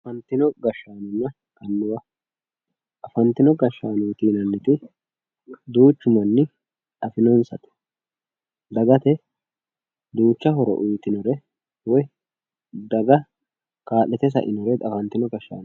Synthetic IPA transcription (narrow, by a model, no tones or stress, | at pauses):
ɐfɐnt̪ɪnɔɡɐʃːaːnʊnːɐ | kɐnːʊwɐ | ʔɐfɐnt̪ɪnɔɡɐʃːaːnuːt̪iːnɐnːɪt̪ɪ | d̪uːt͡ʃːʊmɐnːɪ | ᶑɐfɪnɔnsɐt̪ɛ̥ | d̪ɐɡɐt̪ɛ | d̪uːt͡ʃːɐɦɔɾɔ̰ʔʊjt̪ɪnɔɾɛ | wɔj | d̪ɐɡɐ | kaːlːɛt̪ɛs̬ɐ̰ʔɪnɔɾɛɐfɐnt̪ɪnɔɡɐʃːa̰ːn